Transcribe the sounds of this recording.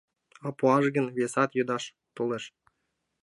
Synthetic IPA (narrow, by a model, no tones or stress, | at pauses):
ɑpuɑʒɡənβesɑt̪jød̪ɑʃ | t̪oleʃ